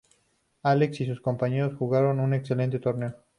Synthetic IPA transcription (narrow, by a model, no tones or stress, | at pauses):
ale̞ksis̬usko̞mpaɲe̞ɾosxuɣaɾo̞nune̞kse̞le̞nt̪e̞t̪o̞ɾne̞o